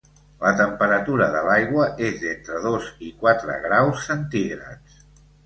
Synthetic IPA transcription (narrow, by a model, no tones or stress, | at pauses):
lət̪əmpəɾət̪uɾəðəlajɣwəʔezent̪ɾəðozikwat̪ɾə̰ɣɾawsːənt̪iɣɾə̰t͡s